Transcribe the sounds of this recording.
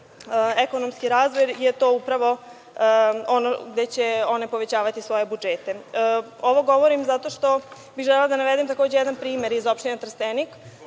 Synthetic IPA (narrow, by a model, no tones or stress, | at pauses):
eko̞nomskiɾaːzʋojjet̪o̞ːupɾaʋo̞ | onoɡd̪et͡ɕeo̞ne̞po̞ʋet͡ɕaːʋat̪isʋo̞je̞bud͡ʒet̪e̞ | oʋo̞ɡo̞ʋoɾimzat̪o̞ʃt̪o̞ | biɣʒɛlelad̪anaʋed̪emt̪ako̞ːd͡ʑe̞jed̪anpɾiːmeɾizo̞pʃt̪inet̪ɾ̩st̪enik